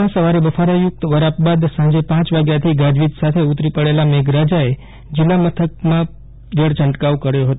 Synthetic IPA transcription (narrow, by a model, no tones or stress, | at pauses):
ãsəʋaɾeʋəfaɾajʊk̚t̪ʋəɾapbad̪sãɲd͡ʒepãt͡ʃʋaɡjat̪ʰiɡad͡ʒʋit̪sat̪ʰeut̪ɾipəɽelameɡɾad͡ʒae | d͡ʒɪlːamət̪ʰək̚mã | d͡ʒəɽt͡ʃəɳʈkaʋkəɾjoɦət̪